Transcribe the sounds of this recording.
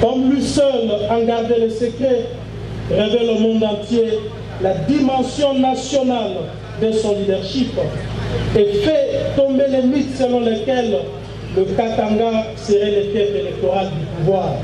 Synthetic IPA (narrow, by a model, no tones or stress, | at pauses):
kɔmlɥisœlaɡaʁd̪elesəkχɛ | ʁevɛlomɔ̃nd̪ɑ̃t̪je | lad̪imɑ̃sjɔ̃nasjɔnal | d̪əsɔ̃lid̪ɛʁʃip | efɛt̪ɔ̃mbelemit̪səlɔ̃lekɛl | ləkat̪ãŋɡa | seʁɛlɛfɛpelɛk̚t̪oʁald̪ypuvwaːʁ